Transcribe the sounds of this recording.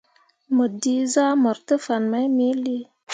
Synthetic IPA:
mə˨di˧za˦mə˨ɾtə˦fa˨nma˨˦jmi˦li˦

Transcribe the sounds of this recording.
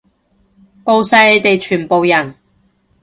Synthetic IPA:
ko˧wsɐ˧jle˨˧jt̪e˨jt͡ʃʰyː˨˩npo˨wjɐ˨˩n

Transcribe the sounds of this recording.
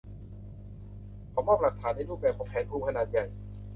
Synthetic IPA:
kʰɔː˨˧˦mɔː˥˩p̚la˨˩k̚t̪ʰaː˩˦nda˥˩luː˥˩k̚bɛː˨˩p̚ʰɔː˨˦pʰɛː˨˦npʰuː˧˩kʰa˧naː˨˩t̪̚ja˨˩j

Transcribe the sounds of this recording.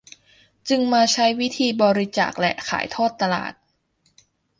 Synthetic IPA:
t͡ɕɯ˧ŋmaː˧t͡ɕʰa˦˥jwi˦˥t̪ʰiː˧bɔː˧ɾi˦˥t͡ɕa̰ː˨˩k̚lɛ̰˧ʔkʰa̰ː˩˦jt̪ʰɔː˥˩t̪ːa˧la̰ː˨˩t̪̚

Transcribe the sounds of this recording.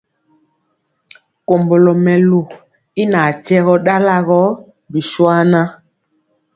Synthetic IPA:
ko˨mbo˨lo˨mɛ˨lu˨ | i˦na˨tɛ˦ɣɔ˦ɗa˦la˦ɣɔ˦ | bi˨ʃwa˦na˦

